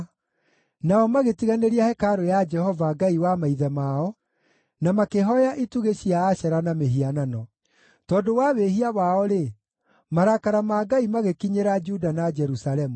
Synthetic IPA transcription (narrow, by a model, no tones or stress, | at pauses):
naɔmaɣetiɣaneɾiahɛkaɾojad͡ʒɛhɔvaɡaiwamaiðɛmaɔ | namakeɦɔjaʔituɣeɕiaːɕɛɾanameɦiananɔ | tɔdowaβeɦiawaɔɾe | maɾakaɾamaɡaimaɣekiɲeɾad͡ʒudanad͡ʒɛɾusalɛmu